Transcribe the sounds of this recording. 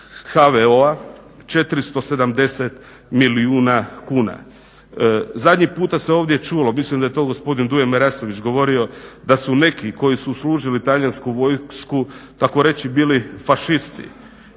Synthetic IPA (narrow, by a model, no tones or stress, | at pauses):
xaʋeoa | t͡ʃe̞t̪ɾist̪ose̞d̪amd̪e̞set̪ | miliuːnakuːna̰ | zad̪ʲɲipuːt̪ase̞o̞ːʋd̪je̞t͡ʃuːlo̞mislimd̪aje̞t̪o̞ɡo̞spo̞d̪ind̪ujemeɾaso̞ʋit͡ʃɡo̞ʋo̞ɾio̞d̪asune̞kiko̞jisusluːʒilit̪aʎanskuʋo̞jskut̪ako̞ɾe̞t͡ʃibiːlifaʃist̪ḭ